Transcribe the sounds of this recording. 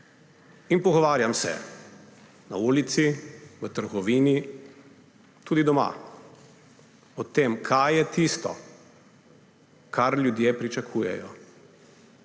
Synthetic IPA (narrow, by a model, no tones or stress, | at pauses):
inpɔɡɔʋaːɾjamsɛ̰ | nauːlit̪siʋət̪əɾɡɔʋiːni | t̪uːd̪id̪ɔma̰ | ɔt̪emkʰajjɛt̪ist̪ɔ̰ | kʰaɾljud̪jepɾit͡ʃakʰuːjɛ̰jɔ